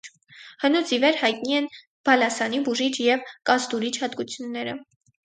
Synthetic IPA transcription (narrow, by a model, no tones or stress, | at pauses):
hənut͡sʰivɛɾhɑjt̪̚niɛn | b̥ɑlɑsɑnibuʒit͡ʃʰjɛvkɑzt̪uɾit͡ʃʰhɑd̪ɡut͡sʰjunːɛɾə̰